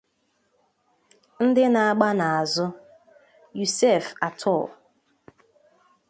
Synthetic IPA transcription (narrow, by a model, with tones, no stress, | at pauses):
n̩˦dɪ˦na˨a˦˨ɡ͡ba˦na˨a˨zʊ˦ | ju˨se˦˨fa˨tʰɔ˦˨l